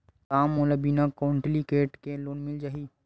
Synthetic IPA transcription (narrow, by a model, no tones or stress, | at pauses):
t̪aːmoːlabiːnakoːɳʈlikeːʈkeloːnmɪld͡ʒaːɦiː